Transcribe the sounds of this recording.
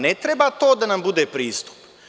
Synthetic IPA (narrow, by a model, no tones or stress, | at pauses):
net̪ɾebat̪o̞ːd̪anambud̪eːpɾiːst̪u̥p